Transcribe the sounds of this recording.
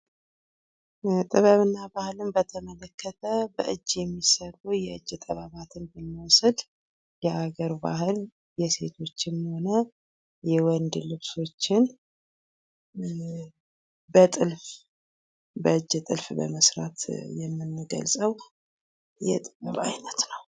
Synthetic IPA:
t̪ʼɨβəβɨnːabahɨlɨnbət̪ʰəmələkʰːət̪ʰəbəʔɨd͡ʒːjɛmːisəlujɛɨd͡ʒːt̪ʼəβaβat̪ʰɨnbəmːiwɔsəd̪ | jɛʔaɡəɾba̰hɨl | jɛse̞̰t̪ʰo̞t͡ʃːɪnːho̞nə | jɛwɔnd̪lɨβso̞t͡ʃːɪn | bət̪ʼɨlf | bəɨd͡ʒːt̪ʼɨlfbə̰məsɾa̰t̪jɛmːɨnːɡə̰lsʼəw | jɛ̰t̪ʼɨβəβa̰jnət̪nəw

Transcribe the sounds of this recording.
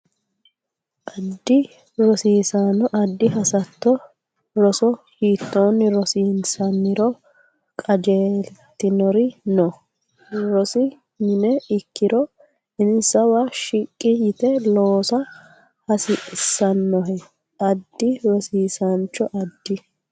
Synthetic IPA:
ʔɐd̪ːɪ | ɾɔsiːsanɔʔɐd̪ːɪɦɐsɐt̪ːɔ | ɾɔsɔhiːt̪ːoːnːɪɾɔsiːnsɐnːɪɾɔ | kʼɐd͡ʒeːlt̪ːɪnɔɾɪnɔ | ɾɔsɪ | mɪnɛɪkːɪɾɔ | ɪnsɐwaʃɪkʼːɪjɪt̪ɛloːsɐ | hɐsɪʔsɐnːɔɦɛ | ʔɐd̪ːɪɾɔsiːsɐnt͡ʃːɔʔɐd̪ːɪ

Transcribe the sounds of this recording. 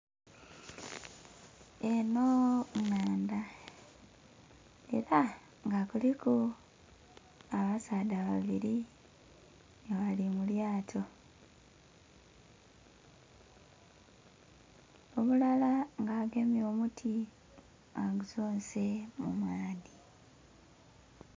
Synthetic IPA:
e̞noŋaːnd̪a | e̞ɾa | ŋɡakuliku | aβasaːdaβaβiɾi | βalimuljaːtʰo̞ | oβulalaŋɡaːɡe̞mjo̞ːmutʰi | aɡuzoːnse̞mumaːdi

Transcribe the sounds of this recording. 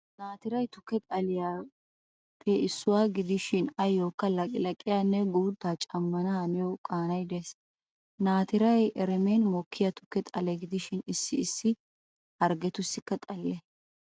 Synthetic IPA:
naːt̪ɪɾɐjt̪ʊ̥kːɛt̪ʼɐlɪjaː | pʰɛɪsːʊwaːɡɪd̪ɪʃɪnɐjːoːkːɐlɐkʼɪlɐkʼːɪjaːnːɛɡuːt̪ːaːt͡ʃʼɐmːɐnɐɐnɪjɔkʼaːnɐjd̪ɛs | naːt̪ɪɾɐjʔɛɾɛmenmɔkʰːɪjat̪ʊ̥kːɛt̪ʼɐlɛɡɪd̪ɪʃɪnɪsːɪːsːɪ | hɐɾɡɛt̪ʊsːɪkːɐt̪ʼɐlːɛ

